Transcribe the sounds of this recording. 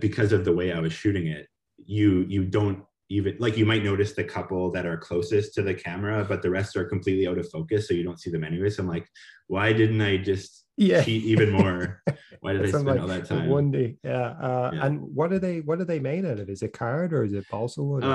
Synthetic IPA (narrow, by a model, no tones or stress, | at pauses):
b̥ɨkʰʌzʌvðəweɪaɪwʌz̥ʃʉɾɪ̃ŋɪt̚ | jɨjɨdõʊ̃nt | ivɨ̃nlaɪkjɨmaɪt̚ⁿnoʊɾɨsðɨkʰʌpl̩ˠðɨɾə˞kʰl̥oʊsɨstʰɨðɨkʰæmə˞əbʌt̪̚ðɨɹɛstsə˞kʰm̩pʰl̥itˡliaʊɾʌv̥foʊkɨsːoʊjɨdõʊ̃ntsiðɨ̃mɛñiwɨsãɪ̃mlaɪkwaɪdɪdⁿn̩taɪd͡ʒʌst̚ | jæt͡ʃʰiɾiɨ̃nmɔɹwa̰ɪɾɨɾaɪslaɪdɔlˠðɨtʰãɪ̃mwʌ̃ndijæʌjə̰̃nwʌt̚d̥ə˞ðeɪwʌt̚d̥ɨðeɪmeɪɾɨɾɨɾɨzɨt̚kʰaɹɾə˞ɨzɨt̚b̥ɑlˠsəb̩